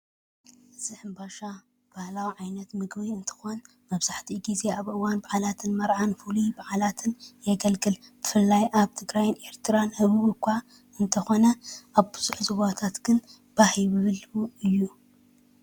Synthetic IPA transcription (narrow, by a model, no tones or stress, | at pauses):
ɨz̥ɨħɨmbaʃa | b̥ahlawiʕajnɐt̪mɨɡbiɨnt̪ʰɨ̥xon | mɐβz̥aħt̪ʰiɡizeaβʔɨwanbaʕalat̪ʰɨnmɐɾʕanfulibaʕalat̪ʰɨnjɛɡɐlɡɨlb̥ɨfɨlːajʔaβt̪ʰɨɡɾajɪnʔe̞ɾt̪ʰɨɾanhɨβɨβɨkʷʰːa | ɨnt̪ʰɐxo̞nɐʔaβbɨzuħzɨβat̪ʰat̪ɡ̥ɨn | b̥ahiβɨβɨluɨjːu